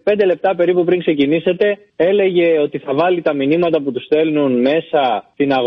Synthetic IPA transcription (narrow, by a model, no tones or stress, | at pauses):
p̞nd̪ele̞p̚t̪ɐpe̞ɾipupɾiŋkse̞cinise̞t̪e̞ | e̞le̞ʝe̞o̞t̪iθɐvɐlit̪ɐminimɐt̪ɐput̪usθe̞lnunme̞sɐt̪inɐɣ